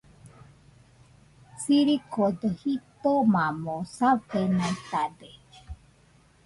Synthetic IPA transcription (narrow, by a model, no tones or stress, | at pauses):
siɾikʰod̪ohit̪omamosavenãt̪ad̪e